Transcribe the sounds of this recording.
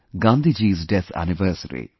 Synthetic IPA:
ɡand̪id͡ʒiːsɖet̪ʰæ̰niʋəːɾsɐɾḭ

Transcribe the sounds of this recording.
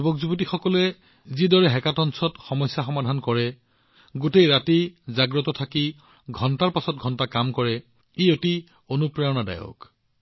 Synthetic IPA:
ubɔkzubotixɔkɔlɛ | zidɔɹɛɦɛkatɔnsɔtxɔmɔjsjaxɔmadʱankɔɹɛ | ɡotejɹatizaɡɹɔtɔtʰaki | ɡʱɔntaɹpasɔt̚ɡʱɔntakamkɔɹɛ | ioti | onupɹaɔnada̰jɔ̰k

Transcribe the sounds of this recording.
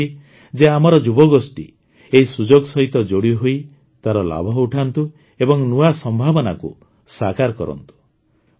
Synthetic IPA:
i | d͡ʒeamɔɾɔd͡ʒubɔɡosʈḭ | eɦisud͡ʒoɡsɔɦit̪ɔd͡ʒoɽiɦoi | t̪aɾɔla̰bʱɔuʈʰant̪u | ebɔŋnuasɔmbʱabɔnakṵ | sakaɾkɔɾɔ̰nt̪u̥

